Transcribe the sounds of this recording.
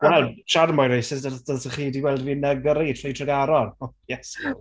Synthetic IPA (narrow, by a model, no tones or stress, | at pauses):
wɛlˠʃarmɔjɾejsɪsdəd̥əsəχiːdiɡwɛlˠdviːnɛɡɾitʰrijtʰrəɡaɾɔnjɛs